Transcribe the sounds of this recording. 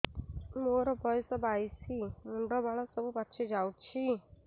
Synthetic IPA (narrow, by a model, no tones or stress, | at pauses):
moɾɔbʱɔjsɔbajsimuɳɖɔbaɭɔsɔbupatːʃʰed͡ʒawt͡ʃʰi